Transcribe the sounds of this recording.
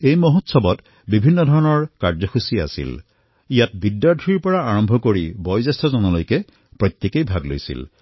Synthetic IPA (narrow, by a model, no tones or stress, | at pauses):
ejmoɦotsɔbɔt | bibʱinːɔdʱɔɹɔnɔɹkaɹzɔxusia̰sḭl | ijat̚bidːaɹtʰɹiɹpɔɹaaɹɔmbʱɔkoɹibɔjzɛstʰɔzɔnɔlojkɛ | pɹɔjt̪jekejbʱaɡlo̰jsḭl